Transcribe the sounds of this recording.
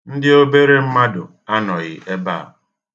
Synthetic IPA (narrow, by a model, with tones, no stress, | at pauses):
n̩˦dɪ˦o˦be˦ɾe˦m̩˦ma˦dʊ˨ | a˦nɔ˨ɣɪ̰˨ʔe˦ba̰ː˦˨